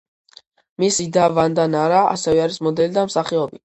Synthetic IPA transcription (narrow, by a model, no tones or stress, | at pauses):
misid̪avand̪anaɾaa̰sɛvɛaɾismɔd̪ɛlid̪amsaχiɔbi